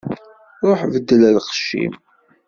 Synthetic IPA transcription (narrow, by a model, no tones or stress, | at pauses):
ʊɾħvəd̪ːəlælχʃːḭm